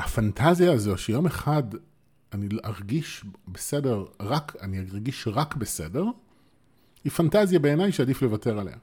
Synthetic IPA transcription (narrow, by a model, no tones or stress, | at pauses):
hafantʰazijaːzo̞ʃejo̞me̞χad | aniʔaʁɡiʃbese̞de̞ʁʁakʰaniaʁɡiʃʁakbese̞de̞ʁ | hifantazjabe̞enajʃeadifle̞vate̞ʁale̞̰ha